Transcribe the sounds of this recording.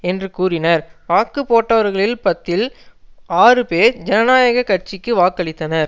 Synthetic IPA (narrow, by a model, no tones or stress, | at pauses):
ɛndrɯkuːrɪnɐɾʋaːkːɯpoːʈːɐʋɐɾɣɐɭɪlpɐt̪ːɪl | aːrɯpeːɾd͡ʒɛnɐnaːjɐɣɐkɐʈt͡ʃɪkːɯʋaːkːɐɭɪt̪ːɐnɐɾ